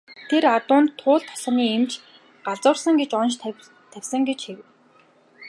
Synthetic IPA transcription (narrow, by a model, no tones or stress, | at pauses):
t̪ʰeɾat̪ʊːnt̪ʰːʊːɮt̪ʰːɔ̥s̆niːemt͡ɕ | ɢ̥aɮt͡sʊːrsə̆ŋɡet͡ɕɔnʃ | t̪ʰæwʲsə̆ŋɡet͡ɕxew